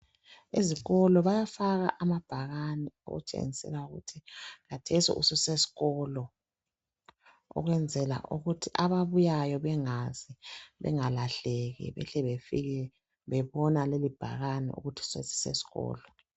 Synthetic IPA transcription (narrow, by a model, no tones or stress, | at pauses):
eziɣɔlɔβajafaɣaʔamab̥ʱaɣanɛo̰ɣṵt͡ʃʼḛŋisɛ̰lauɣṵtʰiɣatʰɛsḭʔṵsɛsesi̥ɣɔlɔ | ɔ̰ɣwɛnd͡zʱɛla̰ʔuɣutʰiʔaβaβujajɔβɛŋaziβɛ̰ŋalaɬeɣḭβɛ̰ɬɛβefiɣɛ | βɛβɔnalelib̥ʱa̰ɣanɛ̰ṵɣutʰi̥sḛsi̥sḛsi̥ɣɔ̰ːlɔ